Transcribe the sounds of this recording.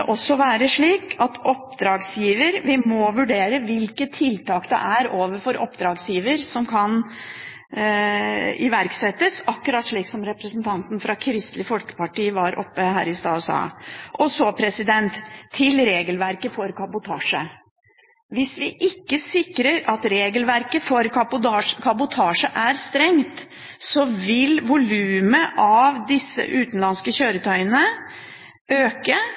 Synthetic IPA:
ʔɔsːɔʋæːɾəʂɭiːkɑt̪ʰɔp̚d̪ɾɑːɡsjiːʋəɾʋɪmɔʋʉɖeːɾəʋɪlkət̪ʰːɪlt̪ɑːkd̪ɛ̰ʔæɾoːʋəɾfɔɾɔ̰pd̪ɾɑːɡsjiːʋəɾsɔmkʰɑn | ɪʋæɾksɛt̪ːəsɑkːʉɾɑt̪ʂɭiːksɔmɾɛpɾəsnt̪ʰɑnt̪n̩fɾɑkʰɾɪst̪lɪfɔlkə̥pɑʈiːəʋɑɾʔɔ̰pːəhæ̰ːɾɪst̪ɑːʉsɑ̰ːʔɔsɔpʰɾɛsɪd̪ɛnt̪ʰːɪlɾeːɡəlʋæɾkəfɔɾkʰɑbʊt̪ʰɑːʂə̰ | ʋɪsʋɪʔɪkːəsɪkɾəɾɑt̪ɾeːɡəlʋæɾkəfɔɾkʰɑbʊɑʂkʰɑbʊt̪ʰɑːʂəʔæɾst̪ɾɛŋt̪ | sɔʋɪlʋʊlʉːməʔɑʋd̪ɪsːə̰ʔʉːt̪nlɑnskəçøːɾət̪ʰœʏənə | øːkə

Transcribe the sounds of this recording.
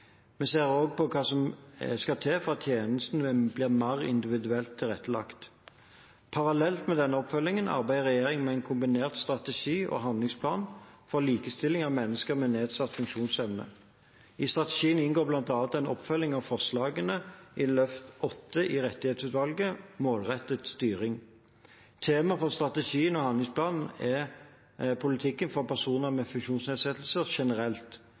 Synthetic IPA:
mɛseːʁoːɡ̚pʰɔkʰɑːsɔmskɑt̪ʰeːfɔʁɑtt̪ʰjeːnəst̪nəbliːʁmɑʁɪ̰nd̪ɪʋɪd̪ʉɛlt̪ʰːɪlʁɛt̪ːəlɑ̰kt̪ | pʰɑʁɑlɛlt̪mɛd̪ɛnːəɔpfœlːɪŋənɑ̰ʁbæɪəʁɛjeːʁɪŋmɛæɪnkʰʊmbɪneːʁt̪st̪ʁɑt̪əʃiːʔɔ̰ɦɑnd̪lɪŋspʰlɑːnfɔʁliːkəst̪ɪlɪŋɑʋmɛnːəskəʁmɛneːd̪sɑt̪ːfʉŋkʃuːnsɛʋnə̰ | ɪst̪ʁɑt̪ɛʃiːənɪnɡoːblɑnt̪ɑnt̪ɛnɔ̰pfœlːɪŋɑʋfɔʁʂlɑːɡənəʔɪlœft̪ɔt̪ːəʔɪʁɛt̪ːɪheːt̪sʉːt̪ʋɑlɡəmoːlʁɛt̪ːət̪st̪yːʁɪŋ | t̪ʰeːmɑfɔʁst̪ʁɑt̪ɛʃiːənɔhɑnd̪lɪŋspʰlɑːnn̩ɛ | pʰʊlɪt̪ʰɪkːənfɔʁpæʁsuːnəʁmɛfʉŋkʃuːnsneːd̪sɛt̪l̩səʁʃɛnəʁɛlt̪

